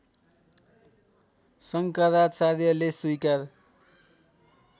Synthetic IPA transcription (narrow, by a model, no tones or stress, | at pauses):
sʌŋkaɾasaɾjʌleswujkar